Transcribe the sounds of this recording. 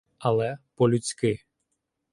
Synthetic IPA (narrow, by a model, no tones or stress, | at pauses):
ɐlˠɛpɔlʲut͡sʲkɪ